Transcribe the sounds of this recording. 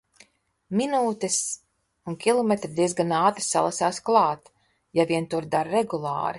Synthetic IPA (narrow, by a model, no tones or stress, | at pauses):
minuːt̪ɛs | unkʲilˠɔmɛt̪ɾid̪iɛzɡanaːt̪ɾisalˠasaːsklˠɑːt̪ | javʲiɛnt̪uɾd̪aɾɾɛɡulˠɑ̰ːɾi